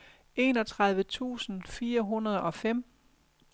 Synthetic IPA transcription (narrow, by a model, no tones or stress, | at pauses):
e̝ːnɒ̽t͡sʰʁɑ̈ð̞ˠʋət͡sʰṵːsn̩fiːɐɦunɐð̞ˠɒ̽fem̰